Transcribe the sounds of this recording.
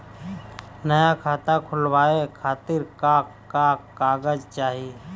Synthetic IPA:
nəjakʰaːt̪akʰʊlwaːekʰaːt̪ɪɾkaːk | kakkaːɡəd͡ʒt͡ʃaːɦie

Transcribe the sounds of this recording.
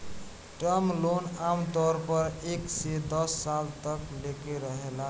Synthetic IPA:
ʈɾəmlonamt̪ɔɾpəɾeksed̪əsːalt̪əklekeɾəɦela

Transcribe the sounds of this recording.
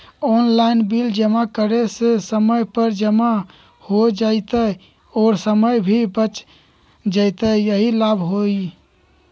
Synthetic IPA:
ɔnlajnbild͡ʒəmakəɾesesəməjpəɾd͡ʒəma | hod͡ʒajt̪əj | ɔɾsəməjbʱibət͡ʃ | d͡ʒajt̪əjəɦilabʱɦoi

